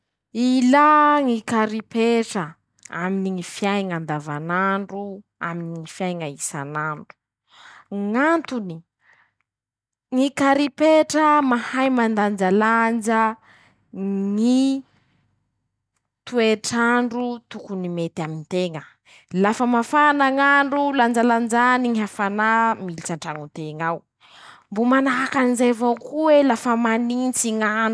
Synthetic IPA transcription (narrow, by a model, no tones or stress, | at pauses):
ilaŋikaɾipeʈ͡ʂə | a̰miniŋifiajŋand̪avanaɳɖ͡ʐu | a̰miniŋifjajŋaisa̰naɳɖ͡ʐu̥ | ŋant̪uni | ŋikaɾipeʈ͡ʂəmahajmand̪and͡ʒaland͡ʒə | ŋi | t̪ueʈ͡ʂaɳɖ͡ʐut̪ukunimet̪amint̪eŋə | lafəmafanaŋaɳɖ͡ʐuland͡ʒaland͡ʒaniŋiɦafanamilit͡saɳʈ͡ʂaŋut̪eŋaw | mbomanaɦakanizevakuwelafəmanint͡siŋanu